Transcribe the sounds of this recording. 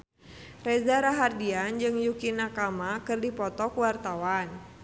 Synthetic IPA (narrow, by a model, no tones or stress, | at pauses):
rɛzaɾaɦardiand͡ʒɨŋjukinakamakɨrdipɔt̪ɔkuwart̪awan